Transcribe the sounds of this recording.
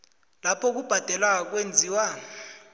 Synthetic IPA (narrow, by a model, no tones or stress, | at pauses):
lapʰɔk̬ub̥ʱad̥ʱɛlwak̬wend͡zʱiːwa